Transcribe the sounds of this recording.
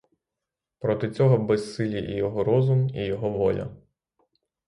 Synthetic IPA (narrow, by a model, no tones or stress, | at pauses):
pɾɔt̪ɪt͡sʲɔɦɔbɛsːɪlʲiʔijɔɦɔɾɔzʊmijɔɦɔʋɔlʲɐ̰